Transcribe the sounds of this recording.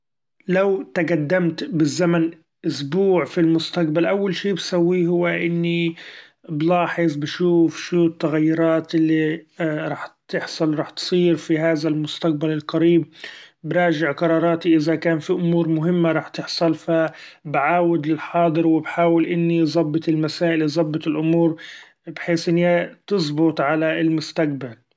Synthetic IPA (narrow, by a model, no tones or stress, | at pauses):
lawt̪aɡad̪ːamt̪bɪzːaman | ʔʊsbuːʕfilmʊst̪aqbalʔawːalʃiːbsawːiɦʊwːaʔɪnːi | blɑːħɪzˤbaʃuːfʃuːt̪ːaɣajːʊɾˤɑːt̪ʔɪlːiɾˤɑːħt̪ɪħsˤɑlɾˤɑːħt̪sˤiːɾfiɦaːðalmʊst̪aq̚balɪlqaɾiːb̚bɾˤɑːʒɪʕqɑɾˤɑːɾˤɑːt̪iʔɪzakaːnfiʔʊmuːɾmʊɦɪmːaɾˤɑːħt̪ɪħsˤɑlfabʕaːwɪd̪lɪlħɑːd̪ˤɨɾwɪbħaːwɪlʔɪnːizˤɑbːɨt̪ˤɪlmasaːʔɪlzˤɑbːɨt̪ɪlʔʊmuːɾ | bħeːsʔɪnːat̪ɨsˤbʊt̪ˤʕalaɪlmʊst̪aq̚bal